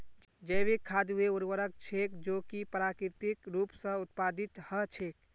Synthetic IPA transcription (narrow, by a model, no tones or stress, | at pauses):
d͡ʒəjbekʰːad̪ɦueuɾʋəɾək̚t͡ʃʰekd͡ʒokipɾakiɾt̪ikɾupsə̃ut̪pad̪it̪hət͡ʃʰek